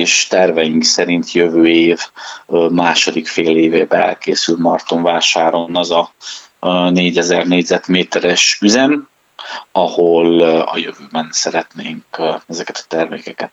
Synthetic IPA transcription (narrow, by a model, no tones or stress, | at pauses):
eːʃt̪ɛrvɛjiŋksɛɾint̪jø̞vøːeːv | maːʃo̞d̪ikfeːleːveːbɛɛ̰lkeːsylmɒrt̪oɱvaːʃaːɾo̞nɒzɒ | neːɟɛzɛrneːɟzɛt̪meːt̪ɛɾɛʃyzɛm | ɒho̞lɒ̰jøvøːbɛnsɛɾɛt̪neːŋkɛzɛkɛt̪ɒ̥t̪ɛrmḛːkɛkɛt̪